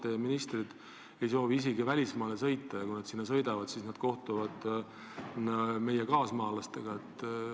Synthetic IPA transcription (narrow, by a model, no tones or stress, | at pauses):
eminist̪rid̪̥ | e̞jso̞ːviis̬eɡivælʲismɑːlesɤjt̪ːˑɑjɑkujnɑd̪̥sinːɑs̬ɤ̞jd̪ɑvɑd̪̥siːsnɑd̪̥̚ko̞ht̪uvɑd̪̥ | me̞jekɑːsmɑːlɑst̪e̞ɡ̥ɑe̞t̪ː